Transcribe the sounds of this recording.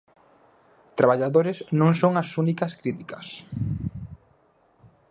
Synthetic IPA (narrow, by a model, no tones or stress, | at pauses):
t̪ɾaβaʎaðoɾeznõŋsoŋasunikɐskɾit̪ikɐs